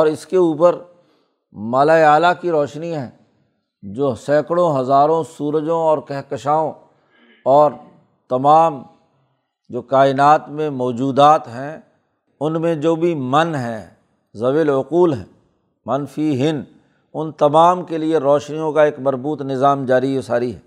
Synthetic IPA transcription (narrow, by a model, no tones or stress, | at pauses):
ɔːɾɪskeuːpəɾ | maːlaːaːlakiɾɔːʃniɦɛ̰̃ː | d͡ʒoːsɛ̃ːkəɽõɦɐzaːɾõsuːɾəd͡ʒõɔːɾkɛɦkəʃaːõ | ɔːɾ | t̪ɐmaːm | d͡ʒoːkaːɪnaːt̪mẽmɔːd͡ʒuːd̪aːt̪ɦɛ̃ | ʊnmẽd͡ʒoːbʱimɐnɦɛ̃ | zɐʋeːlʊquːlɦɛ̰̃ː | mɐnfʰiɦɪn | ʊnt̪ɐmaːmkelieɾɔːʃnijõkaeːkmɐɾbuːt̪nɪzaːmd͡ʒaːɾiosaːɾiɦɛː